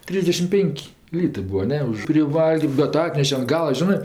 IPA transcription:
ˈtʲrʲiːzʲdʲɛʃʲɪm ˈpʲeːŋʲkʲ ˈlʲiːtɜ ˈbʊɐ ˈnʲɛ ʊʃ pʲrʲɪˈʋɐlˠɡrm bʲɛt ˈɑːtʲnʲɛʃʲɛ ɐn ˈɡɑːlˠɐ ˈʒʲɪnɜ

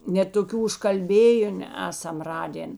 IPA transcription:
nʲɛt toːˈkʲuː ʊʃkɐlʲˈbʲeːjʊn ˈæːsɐm ˈrɑːdʲeːn

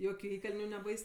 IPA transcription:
ˈjoːkʲʊ ˈiːkɐlʲnʲʊ nʲɛˈbɐɪs

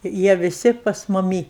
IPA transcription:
ɪr ˈjiɛ ʋʲɪˈsʲɪ pɐs mʊˈmʲiː

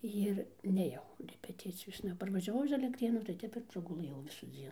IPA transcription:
ɪr nʲeːˈjɛʊ rʲɛpʲɛˈtʲɪt͡sʲɪjoːsnɐ pɐrʋɐʒʲɛˈʋɐʊ ɪʃ ɐlʲɛktʲˈrʲeːnuː tɐɪ ˈtʲɛp ɪr prɐɡʊˈlˠɘjɛʊ ʋʲɪsuːˈd͡zʲiɛn

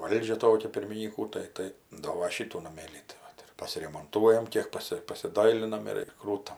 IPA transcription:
ˈʋɐlʲd͡ʒʲɛ ˈtoːkʲɛ pʲɪrʲmʲɪnʲiːˈkuː tɐɪ ˈtɐɪ ˈdoː ʋɐ ˈʃʲiːtuː nɐˈmʲeːlʲiː tɐɪ ˈʋɐt ɪr pɐsʲɪrʲɛmoːnˈtuɔjɛm ˈkʲiɛk ˈpɑːsʲɪ pɐsʲɪˈdɐɪlʲɪnɐm ɪr ɪr ˈkruːtɐm

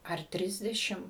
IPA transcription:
ɐr ˈtʲrʲɪzʲdʲɛʃʲɪm

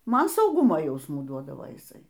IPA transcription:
ˈmɐn sɐʊˈɡʊmoː ˈjɛʊsmuː ˈduɔdɐʋoː jɪˈsɐɪ

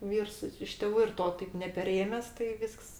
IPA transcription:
ˈʋʲiːrs ɪ ɪʃ tʲeːˈʋuː ɪr ˈtoː tɐɪp nʲɛpʲɛˈrʲeːmʲɛs tɐɪ ˈʋʲiːsks

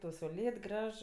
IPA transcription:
tɐʊ sɐʊˈlʲeːt ˈɡrɐʃ

